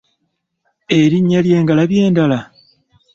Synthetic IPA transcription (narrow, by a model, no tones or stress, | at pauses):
e̞ɾiɲːalje̞ːŋɡalaβje̞ːndala